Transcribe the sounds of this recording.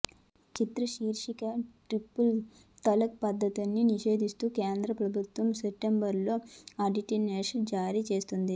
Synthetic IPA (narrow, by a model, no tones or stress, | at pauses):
t͡ʃit̪ɾɐʃiːɾʂikɐʈɾipːul | t̪ɐlɐk̚pɐd̪ʱːɐt̪unːiniʃe̞ːd̪ist̪uːkeːnd̪ɾɐpɾɐbʱut̪ʋɐmsepʈembɐɾlo̞ːɐɖiʈineːʂɐnd͡ʒaːɾit͡ʃe̞ːst̪und̪i